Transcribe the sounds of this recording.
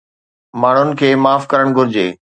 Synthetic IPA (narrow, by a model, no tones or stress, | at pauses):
maːɳ̤ʊnɪ̆kʰeːmaːfkɐɾəɽ̃ɡʱʊɾɪd͡ʑḛː